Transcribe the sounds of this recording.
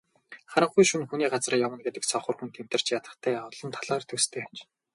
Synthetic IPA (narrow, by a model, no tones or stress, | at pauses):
χaɾə̆ɴχujʃunxuniːɢat͡srajawə̆nɡet̪ɘ̆ksɔχə̆rxunt̪ʰem̥t̪ɘ̆r̥t͡ɕjat̪ə̆χt̪ʰæːɔt̪ɮɞ̆nt̪ʰaɮaːrt̪ʰɵst̪ʰeːt͡ɕ